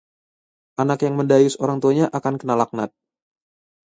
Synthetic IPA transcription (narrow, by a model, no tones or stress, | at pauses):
ʔanakjaŋməndajʊsoɾaŋt̪uaɲaʔakankənalak̚nat̪̚